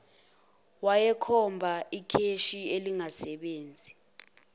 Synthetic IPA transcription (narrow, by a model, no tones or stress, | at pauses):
wajɛkʰɔmbʱaikʰeʃieliŋasɛɓeːnd͡zʱi